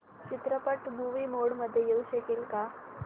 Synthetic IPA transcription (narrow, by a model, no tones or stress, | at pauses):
t͡ɕit̪ɾəpəʈmuʋiːmoɽməd̪ʱːjejeuɕəkilka